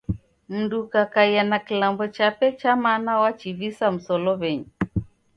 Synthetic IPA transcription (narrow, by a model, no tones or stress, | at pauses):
m̩dukakaianakilambɔt͡ʃapɛt͡ʃamanawat͡ʃivisam̩sɔlɔβɛɲɛ